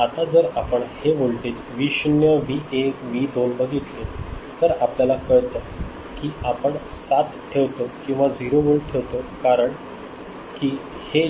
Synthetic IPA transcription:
at̪ad͡zəɾapəɳheʋoɭʈet̪ʋiɕnjəʋiekʋid̪onbəɡit̪let̪əɾapljalakəɭt̪a | kiːapəɳ | sat̪ʈʰeʋt̪okĩw̃ʋad͡ziɾoʋoɭʈʰeʋt̪okaɾəɳ | kiːhe

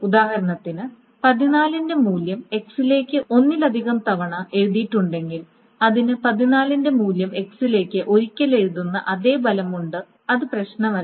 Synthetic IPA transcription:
ud̪aːhɐɾɐɳɐt̪ːinɨ | pɐðinaːlinde̞muːljɐme̞ksile̞ːkʲːɨʔo̞nːilɐd̪ʱiɣɐmt̪ɐʋɐɳɐʔe̞ɻuðiʈːuɳɖe̞ŋɡil | ɐðinɨpɐðinaːlinde̞muːljɐme̞ksile̞ːkʲːɨʔo̞ɾikʲːɐle̞ɻuðunːɐ̰ʔɐðe̞ːbɐlɐmuɳɖɨ | ɐðɨprɐɕnɐmɐ

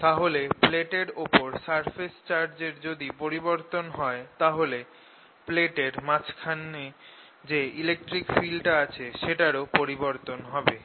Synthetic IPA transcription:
t̪aɦolepleʈeɾopoɾsaɾfʰest͡ɕaɾd͡ʑeɾd͡ʑod̪ipoɾiboɾt̪onɦɔet̪aɦole | pleʈeɾmat͡ɕkʰanːe | d͡ʑeilek̚ʈɾikfilʈaat͡ɕʰeʃeʈaɾopoɾiboɾt̪onɦɔbe

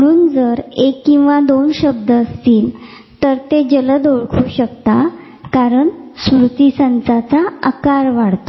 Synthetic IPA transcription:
məɽ̃uːnd͡zəɾekːĩw̃ʋad̪onɕəb̚d̪ʱəst̪iːl | t̪əɾt̪ed͡ʑələd̪oɭkʰuːɕəkt̪a | kaɾəɳsɾut̪isãnt͡sat͡saəkaɾʋaɽt̪o

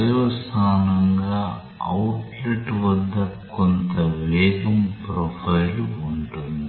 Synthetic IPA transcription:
ɐjɔst̪ʰaːnɐŋɡaː | ɐwʈliʈʋɐd̪ːɐkont̪ɐʋɛːd̪ɐmpɾɔːpʰɐjluɳʈund̪i

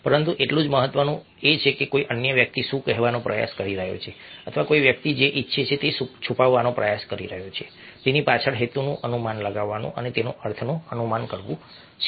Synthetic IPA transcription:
pəɾənt̪uʔeʈlũd͡ʒməɦət̪ʋənũ | et͡ʃʰekekoiʔənjəʋjək̚t̪iʃũkəɦʋanopɾəja̰skəɾiɾəɦjo̰t͡ʃʰeət̪ʰʋakoiʋjək̚t̪id͡ʒeʔitːʃʰet͡ʃʰet̪esut͡ʃʰupaʋːanopɾəjaskəɾiɾəɦot͡ʃʰe | t̪enipat͡ʃʰəɽɦet̪unũʔənumanləɡaʋːanṵ̃ʔənet̪enṵ̃əɾt̪ʰənoənumankəɾʋũ | t͡ʃʰe

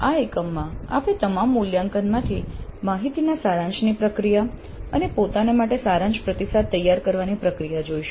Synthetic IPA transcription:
aekəmːãa̰pet̪əmamːuljãŋkənmãt̪ʰimaɦit̪inasaɾãɲd͡ʒnipɾəkɾija | ənepot̪anemaʈesaɾãɲd͡ʒpɾət̪isad̪̚t̪ːəjːaɾkəɾʋanipɾəkɾijad͡ʒoiʃ

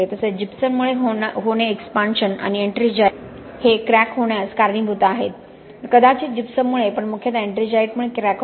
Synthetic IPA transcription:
et̪əsed͡ʑipsənmuɭeɦɦoɽ̃eːkspanɕəna̰nieɳʈɾid͡ʑa | hekɾækɦoɽ̃jaskaɾɳiːbʱut̪aːɦet̪̚ | kəd̪at͡ɕiːd͡ʑipsənːuɭepəɳmukʰjat̪eɳʈɾid͡ʑajʈmuɭekɾækɦ

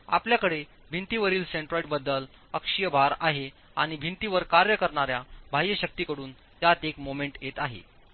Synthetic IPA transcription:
a̰pljakəɽe | bʱint̪iʋəɾiːlseɳʈɾoiʈbəd̪ːəl | əkʂijəbʱaɾaɦe | a̰ɽ̃ibʱint̪iʋəɾkaɾjəkəɾɳaɾjabʱajjəɕək̚t̪ikəɽuːn | t̪jat̪ekmomeɳʈjet̪aɦḛ

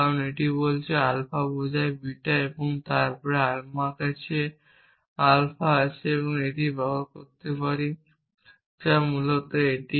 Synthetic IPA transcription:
aɾoneʈibolt͡ɕʰealpʰabɔd͡ʑʱaebiʈaeboŋt̪aɾpɔɾealmakat͡ɕʰe | alpʰaat͡ɕʰeeβoŋeʈibɔbakoɾt̪epaɾi | d͡ʑamulot̪oeʈi

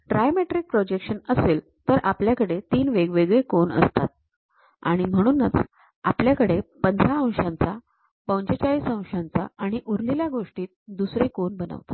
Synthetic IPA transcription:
ɖɾajmeʈɾiːk̚pɾod͡ʑekʂənəseːl | t̪əɾapljakəɽet̪iːnʋeɡʋeɡɭekoɳə̰st̪at̪̚ | a̰ɽ̃im̤əɽ̃uːnːət͡s | apljakəɽepənd̪ʱɾaə̃w̃ɕãnt͡sa | pə̃wɲt͡ɕet͡ɕaiːsə̃w̃ɕãnt͡sa̰aɽ̃iʔuɾliljaɡoʂʈiːt̪̚d̪usɾekoɳbənə̰ʋt̪ḁ

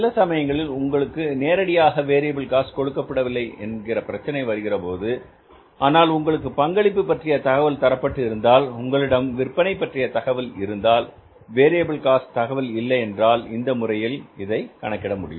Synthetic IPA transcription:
sɪlːɐsɐmɐjɐŋɡɐɭɪlʊŋɡɐɭɯkːɯneːɾɐɽɪjaːɣɐʋeːɾeːbɪlkaːskɔɽɯkːɐpːɐɽɐʋɪlːɐɪɛ̰nɡɪrɐpɪɾɐt͡ʃːɐnɐɪʋɐɾɯɣɪrɐpoːðɯ | ʔaːnaːlʊŋɡɐɭɯk̬ːɯpɐŋɡɐɭɪpːɯpːɐʈrɪjɐt̪ɐɣɐʋɐlt̪ɐɾɐpːɐʈːɯɪɾɯnd̪aːlʊŋɡɐɭɪɽɐmʋɪrpɐnɐɪpːɐʈrɪjɐt̪ɐɣɐʋɪlɪɾɯnd̪aːl | ʋeːɾeːbɯɭkaːst̪ɐɣɐʋɪlɪlːɐɪɛndraːlɪnd̪ɐmʊrɐjɪlɪðɐɪkɐ̰ɳɐkːɪɽɐmʊɽɪ̰jɯm

